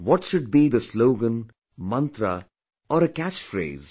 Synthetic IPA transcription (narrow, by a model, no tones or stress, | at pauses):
wɔʈʃʊɖ̚biːd̪əsloːɡə̃n | mʌ̃nt̪ɾə̰ | ɔːɾəkæt͡ʃfɾḛːz̥